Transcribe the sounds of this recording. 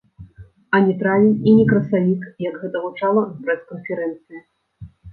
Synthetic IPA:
ɐnʲɛt̪ɾavʲinʲinʲɛkɾɐsavʲikjɐɡɣɛt̪ɐɣut͡ʂalˠɐpɾɛskɐnfʲɛɾɛnt̪sɨji

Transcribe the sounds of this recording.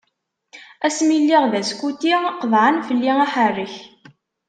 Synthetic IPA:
æsmilːiʁðæskut̪iqəðˤʕanfəlːiŋaħərːəç

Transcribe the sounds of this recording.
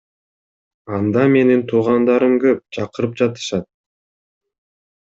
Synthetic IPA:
ɑnd̪ɑme̞nint̪ʰuːʁɑnd̪ɑɾɯmkøp̚t͡ʃʰɑqɯɾɯp̚d͡ʒɑt̪ɯ̥ʃɑt̪̚

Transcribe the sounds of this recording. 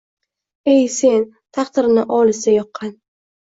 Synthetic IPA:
e̞jse̞n | t̪ʰɑχt̪ɪɾnɪʔɒlˠɪsajɒqʰːɑn

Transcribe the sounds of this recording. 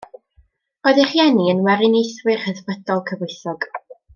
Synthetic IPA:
oɨðɪχjɛniənwɛɾɪnejθwɪrhəðvədɔlˠkʰəvʊɨθɔɡ̥

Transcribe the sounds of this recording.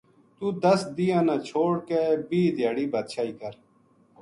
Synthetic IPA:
t̪uːd̪əsd̪iːjãːnãːt͡ʃʰoːɽkeːbiːd̪jaːɽiːbət̪ʃʰaːiːkəɾ

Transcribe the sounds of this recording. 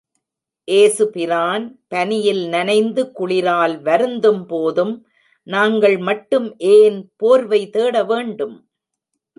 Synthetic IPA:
ʔeːsɯpɪɾaːnpɐnɪjɪlnɐnɐɪnd̪ɯkʊɭɪɾaːlʋɐɾɯnd̪ɯmpoːðɯm | naːŋɡɐɭmɐʈːɯmʔeːnpoːɾʋɐɪt̪eːɽɐʋeːɳɖɯm

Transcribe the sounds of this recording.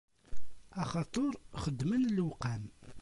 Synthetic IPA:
ɑχɑt̪ˤoɾˤχəd̪ːmənlwqæm

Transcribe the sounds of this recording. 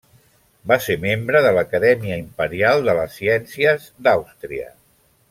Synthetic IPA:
baseɾmembɾəðələkəðɛmiəimpəɾialˠd̪ələsːiɛnsiəzd̪awst̪ɾiə̰

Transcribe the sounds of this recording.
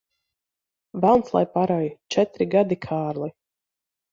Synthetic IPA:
valˠnslˠa̰jpaɾɔjt͡ʃɛt̪ɾiɡad̪ikʰaːɾlˠi

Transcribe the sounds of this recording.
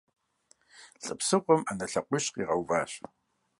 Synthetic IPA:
ɬʼɨpsɨqʷʼʊmanɐɬɐqʷʼʊɕqiːʁɐwvaːɕ

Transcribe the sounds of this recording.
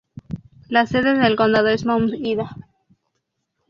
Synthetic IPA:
lase̞ðeðelko̞nd̪aðoesmawmsiða

